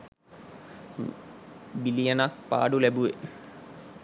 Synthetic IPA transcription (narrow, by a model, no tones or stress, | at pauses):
bilijənak̚pa̰ːɖulæbuʋe